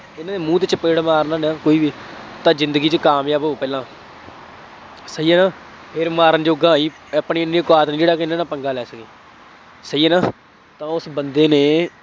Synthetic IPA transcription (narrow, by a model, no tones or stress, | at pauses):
ɪnãːneːmũːt̪et͡ʃəpeːɽmaːɾnãːnaːkoːiːʋiː | t̪ãːzɪ̃nd̪əɡiːt͡ʃəkaːmjaːboːpɛːlãː | səiːɛːnãː | pʰɪɾmaːɾənd͡ʒoːɡãːiː | əpɳiːɪnːĩːkaːt̪nĩːd͡ʒeːɽaːkɪɪnːãːnaːpəŋɡaːlɛːsəkeː | səiːɛːnaː | t̪ãːʊsbənd̪eːneː